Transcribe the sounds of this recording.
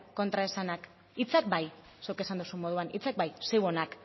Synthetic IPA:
ko̞nt̪ɾae̞sanak | it͡sak̚baj | sewke̞sand̪usumo̞ð̞uanit͡sak̚bajsewo̞nak

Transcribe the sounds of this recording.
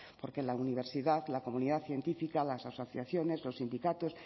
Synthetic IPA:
po̞ɾke̞launiβ̞e̞ɾsiðaðlako̞muniðaθje̞nt̪ifikalasaso̞θjaθjo̞ne̞zlo̞sːind̪ikat̪o̞s

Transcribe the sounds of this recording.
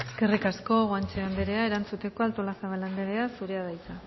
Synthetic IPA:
eske̞rikasko̞ɣoant͡ʃeand̪eɾeaeɾant͡sut̪e̞ko̞alt̪olasaβaland̪eɾeasuɾe̞aðajt̪a

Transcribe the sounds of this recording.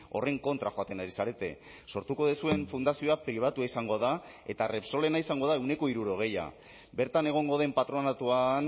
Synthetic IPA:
o̞re̞ŋko̞nt̪ɾaxo̞at̪e̞naɾisaɾe̞t̪e̞̰ | so̞ɾt̪uko̞ðesue̞ɱfund̪asio̞apɾiβ̞at̪uaisaŋɡo̞ða | e̞̰t̪are̞pso̞le̞naisaŋɡo̞ð̞aewne̞ko̞iɾuɾo̞ɣ̞e̞ja̰ | be̞ɾt̪ane̞ɣ̞o̞ŋɡo̞ðe̞mpat̪ɾo̞nat̪uan

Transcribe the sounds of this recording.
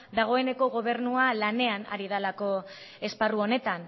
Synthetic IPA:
d̪aɣ̞o̞e̞ne̞ko̞ɣo̞β̞e̞ɾnualane̞ana̰ɾið̞alako̞ | e̞sparuo̞ne̞t̪an

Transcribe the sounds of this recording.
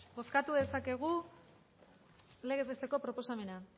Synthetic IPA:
bo̞skat̪uðe̞sake̞ɣ̞u | le̞ɣezest̪e̞ko̞pɾo̞po̞same̞na

